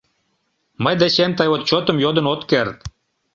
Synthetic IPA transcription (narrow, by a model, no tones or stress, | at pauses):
məjd̪æɕemt̪ɑjot̪̚t͡ɕot̪ə̆mjod̪ɤ̆not̪kʲeɾt̪